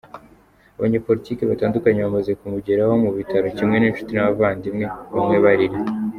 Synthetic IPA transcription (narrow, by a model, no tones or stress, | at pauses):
aβaɲeːpo̞ɾitiːkeβataːndukaɲeβamaze̞kumuɟeɾaho̞muβitaɾo̞cimŋe̞niːnʃu̥tinaβavaːndimŋe̞βamŋe̞βaɾiɾi